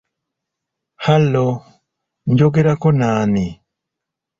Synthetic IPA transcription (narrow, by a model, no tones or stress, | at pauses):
halo | nd͡ʒoɡeɾakonaːni